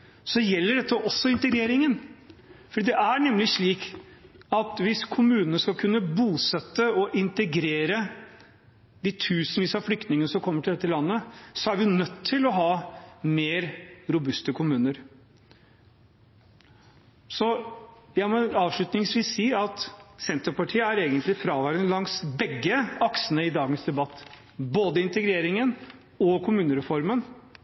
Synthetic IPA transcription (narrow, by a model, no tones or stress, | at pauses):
sɔjɛlːəɖɛt̪ːəʔɔsːɔɪnt̪əɡɾeːɾɪŋənfɔɖiːd̪ɛʔæɳɛmːlɪʂɭiːk | ɑt̪ʋɪskʰʊmʉːnənəskɑlkʰʉnːəbuːsɛt̪ːəɔʔɪnt̪əɡɾeːɾə | d̪it̪ʰʉːsənʋiːsɑflʏk̚t̪nɪŋənəsɔmkʰɔmːəʈʰɪld̪ɛt̪ːəlɑnːəsɔæɾʋɪnœt̪ʰːɪlɔɦɑːmeːɾɾʊbʉst̪əkʰʊmʉːnəɾ | sɔjæɪmɔɑːʋʂɭʉt̪nɪŋsʋiːsːiːɑt̪sɛnt̪əɾpɑʈʰiːəæɾeːɡənt̪lɪfɾɑːʋæɪɾd̪ənlɑŋsbɛɡːəɑksənəɪd̪ɑːɡənsd̪ɛbɑt̪ː | boːd̪əɪnt̪əɡɾeːɾɪŋən | ɔkʰʊmʉːnəɾɛfɔɾmən